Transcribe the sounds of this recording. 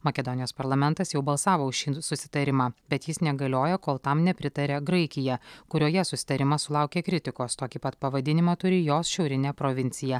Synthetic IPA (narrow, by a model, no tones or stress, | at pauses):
mɐkʲɛd̪ɔnʲɪjoːspɐɾlˠɐmʲɛnt̪ɐsjɛʊbɐlˠsɑːʋoːʊʃʃʲiːsʊsʲɪ̥t̪ɐɾʲɪmɑːbʲɛt̪jɪsnʲɛɡɐlʲoːjɛkoːlˠt̪ɐmnʲɛpʲɾʲɪt̪ɐɾʲeːɡɾɐɪkʲɪjɛkʊɾʲoːjɛsʊsʲɪ̥t̪ɐɾʲɪmɐsʊlˠɑʊkʲeːkɾʲɪt̪ʲɪkoːst̪oːkʲipɐt̪pɐʋɐd̪ʲɪnʲɪmɑt̪ʊɾʲɪjoːsʃʲɛʊɾʲɪnʲɛpɾoʋʲɪnʲt̪sʲɪjɛ